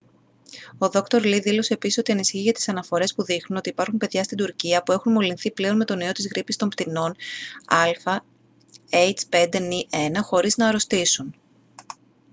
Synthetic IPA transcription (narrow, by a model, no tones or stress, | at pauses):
o̞ðo̞kt̪o̞ɾliðilo̞se̞ːpisiso̞t̪iɐnisiçiʝɐt̪isɐnɐfo̞ɾe̞spuðixnuno̞t̪iːpɐɾxumpe̞ðʝɐst̪ind̪uɾciɐpue̞xunmo̞linθiple̞o̞nme̞t̪o̞nio̞t̪izɣɾipist̪o̞mpt̪ino̞nɐlfɐ | ejt͡spe̞nd̪e̞niʔe̞nɐxo̞ɾiznɐɾo̞st̪isun